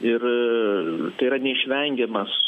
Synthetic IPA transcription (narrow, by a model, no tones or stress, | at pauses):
ɪr | t̪ɐɪiɾɐnʲɛɪʃʲʋʲɛŋʲɡʲɛmɐs